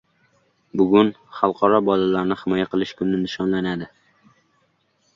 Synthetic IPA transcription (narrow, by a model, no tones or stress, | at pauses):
bʊɡʲʊn | χɑlˠqʰɒɾɒbɒlalaɾnɪχɪmɒjaqʰɨlˠɪʃkʰʲʊmnɪnɪʃɒnlanad̪ɪ